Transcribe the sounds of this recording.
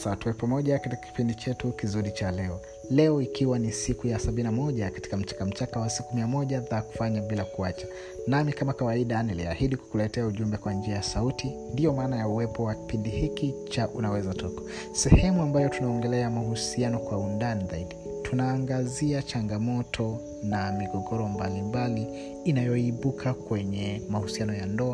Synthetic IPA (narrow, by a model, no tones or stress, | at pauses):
satuɛpamɔʄakatikḁki̥pindit͡ʃɛtukizuɾit͡ʃalɛɔ | lɛɔikiwanisikujasaɓinnamɔʄakḁti̥kam̩t͡ʃḁkam̩t͡ʃakawasikumiamɔʄaðaku̥faɲaɓilakuat͡ʃḁ | namikamakawaiɗanilia̰hiɗiku̥kulɛtɛauʄumbɛkwand͡ʒiajasautindijɔmaːnajauwɛpɔwaki̥pindihikit͡ʃaʔunawɛzatɔkḁ | sɛhɛmuambajɔtunaɔŋɡɛlɛamahusianɔkwaundanizaiɗi | tʰunaːŋɡaziat͡ʃaŋɡamɔtʰɔ | namiɡɔɡɔɾɔmbalimbaliː | najɔiɓukʰakwɛɲɛmahusianɔjandɔa